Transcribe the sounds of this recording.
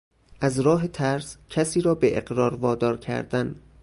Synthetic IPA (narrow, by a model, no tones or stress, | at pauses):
ʔæzɾɒːɦe̞t̪ʰæɾscʰæsiːɾɒːbeʔḛɢɾɒːɾvɒːd̪ɒːɾcʰæ̰ɾd̪æn